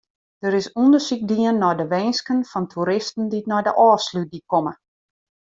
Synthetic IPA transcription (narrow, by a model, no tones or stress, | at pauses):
d̥əɾɪsundəsik̚diənːɔjdəʋɛjnskənfɔntʰuɾɪstn̩diətnɔjdəʔɔːslyt̚dikɔmə